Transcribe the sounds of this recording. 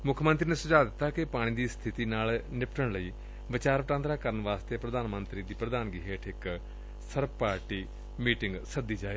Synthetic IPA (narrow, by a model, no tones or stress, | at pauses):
mʊkʰmənt̪ɾiːneːsəd͡ʒaːd̪ɪt̪ːaːkɪpaːɽ̃ĩːd̪iːst̪ʰɪt̪iːnaːlnɪpʈəɳləiː | ʋɪt͡ʃaːɾʋəʈãːnd̪ɾaːkəɾənʋaːst̪eːpɾəd̪aːnmənt̪ɾiːd̪iːpɾəd̪aːnɡiɦeːʈʰɪk | səɾpaːɾʈiː | miːʈɪŋɡsəd̪ːiːd͡ʒaːeː